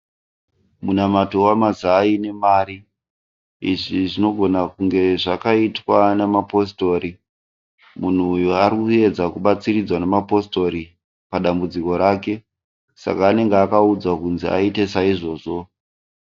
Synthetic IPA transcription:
munamato̞wamazaːine̞maːɾi | iʐiʐino̞ɡʱo̞nakuŋɡe̞ʐakaitwanemapo̞s̬to̞ɾi | mun̤uːjuaɾikue̞d͡zakuɓat͡sirid͡zwanemapo̞sto̞ɾi | paɗambud͡ziko̞ɾaːke̞ | sa̰kaːne̞ŋɡeakaud͡zakunzia̰ite̞saiʐo̞ːʐo̞

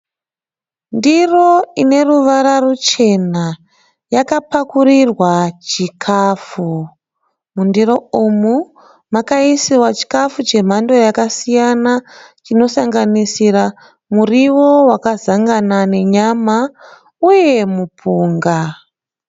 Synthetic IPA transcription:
ndiro̞ine̞ruʋaɾarut͡ʃe̞na | jakapakurirwat͡ʃikʰafu | mundiro̞umu | makaisiwat͡ʃi̥kafut͡ʃe̞m̤ando̞jakasijanat͡ʃino̞saŋɡanisira | muriwowakazaŋɡanane̞ɲama | uje̞mupʰuːŋɡa

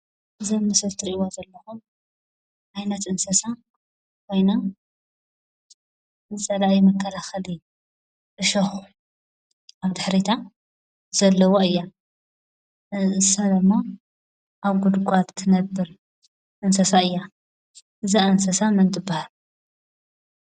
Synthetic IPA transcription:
ʔɨzɐmːɨsɐlt̪ʰɨɾiʔiwozɐlːɐxum | ʔajnɐt̪ʔɨnsɐsa | kʰo̞jna | zɨt͡sʼɐlaʔimɐkʰːɐlaxɐlɨj | ʔɨʃɐxu | ʔaβd̪ɨħɾit̪ʰa | z̥ɐlːɐwoɨjːa | ɨsad̪ɨmːa | ʔaβɡud̪ɡʷʼadt̪ʰɨnɐbːɨɾ | ʔɨnsɐsaɨjːa | ʔɨzaʔɨnsɐsamɨnd̪ɨbːahal

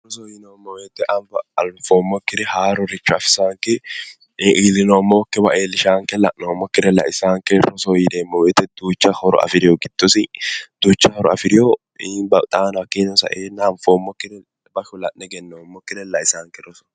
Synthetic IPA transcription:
rɔsoːɪnɐwmːɐwet̪ːɛʔɐfɐfoːmːɔkːɪd̪ɛhaːɾɔɾɛt͡ʃːʊɐfɪ̥saːŋkːɛ | ʔiːlːɪnoːmːoːkːɛbɐʔeːlːɪʃaːŋkɛlɐ̰ʔnoːmːɔkːɪd̪ɛlɐ̰ʔɪsaːŋkːɛɾɔsoːjɪd̪eːmːɐwɛt̪ːɛd̪̥uːt͡ʃːɐhɔɾɔ̰ɐ̰fɪɾɪjɔɡɪd̪̥ːɔsɪd̪̥uːt͡ʃːɐhɔɾɔɐ̰fɪɾɪjo | bɐt̪ʼaːnɐkːɪnɔsɐ̰ʔeːnːɐːnfoːmːɔkːɪd̪ɛ | bɐʃʊlɐʔnːɛɡɛnːɐwmːɔkːɪd̪ɛlɐʔɪsaːŋkɛɾɔsɔ̥

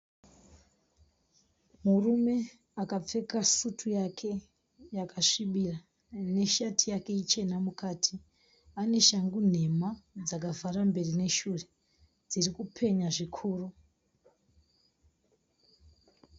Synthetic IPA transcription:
murume̞ | akap͡fe̞kasutʰujakʰe̞ | jakaʂiɓira | ne̞ʃatʰijake̞it͡ʃe̞namukaːtʰi | ane̞ʃaŋɡun̤e̞mad͡zakavarambe̞rine̞ʃuːre̞ | d͡zirikupʰe̞ɲaʐikʰuːru

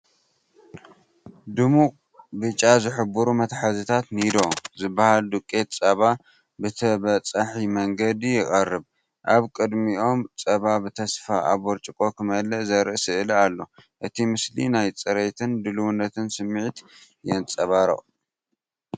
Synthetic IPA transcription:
d̪ɨmu | bɨt͡ʃʼːazɨħɨbuɾumɐt̪ħazit̪ʰat̪nid̪o̞zɨbːahald̪ɨkʼːe̞t̪t͡sʼɐβa | bɨt̪ʰɐβɐt͡sʼaħimɐŋɡɐd̪ijɪχʼɐrːɨb | ʔaβkʼɨd̪mio̞mt͡sʼɐβabɨt̪ʰɐsfaʔaβoɾt͡ʃʼikʼo̞kʰɨmɐlɐzɐɾɨʔsɨʔɨlalːo̞ʔɨt̪ʰimɨslḭnajt͡sʼɐɾet̪ʰɨnd̪ɨluwunːɐt̪ʰɨnsɨmːiʕit̪ | jɛnt͡sʼɐβaɾɐ̰ʔ

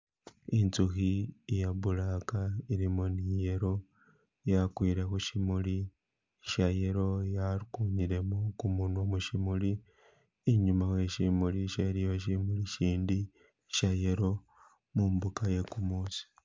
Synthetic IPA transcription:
int͡suxiejaβulakaiɾimonije̞ɾo̞ | jakwiːɾe̞xuʃimuli | ʃaje̞ɾo̞jaɾkuɲiɾe̞mokumunuomuʃimuli | iɲumaxwe̞ʃimuliʃeɾijoʃ̬imuliʃiːndi | ʃajeɾo̞ | mumbukaje̞kumuːsi̥

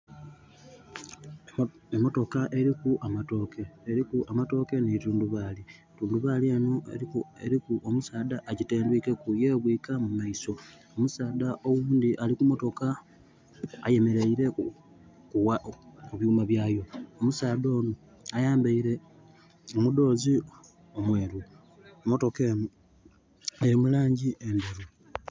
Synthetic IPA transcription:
emo̞to̞kaʔe̞ɾikuʔamato̞ke̞ːɾikuʔamato̞ke̞nituːnduβaːli | tuːnduβalieːnoḛeɾikuʔomusaːdaʔːɟiteːndwike̞kuje̞ːβwiːkamumaiso | omusaːdaʔo̞wuːnd̪iʔalikumo̞to̞ka | je̞me̞ɾeiɾe̞ | kuwauβjuːmaβjaːjo̞omusaːðo̞ːno | ajaːmbaiɾe̞ | omudo̞ːzi | omwe̞ːɾu | omo̞to̞keːno | ajemulaːɲɟiendeɾu

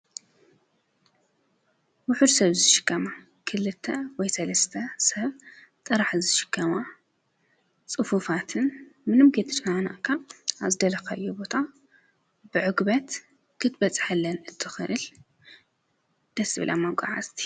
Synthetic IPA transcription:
wʊħʊd̪sɐβzɨʃɪ̥kːɐma | kʰɨlɨt̪ʰːɐwɔjsɐlɐst̪ʰɐsɐβt̪ʼɨɾaħzɨʃɪ̥kʰːɐma | t͡sʼɨfufat̪ʰɨnmɨnɨmɡet̪ʰɨt͡ʃʼkana̰ʔkʰaːβzɨd̪ɐlɐkaʔɨjːubo̞t̪ʰa | bɨʕɨɡbɐt̪ | kʰɨt̪bɐt͡sʼħalːɐnɨt̪ʰːɨxɨʔɨl | d̪̥ɐsɨβɨ̰lʔa̰mːɐkʼa̰ʕa̰zt̪ʰi̥

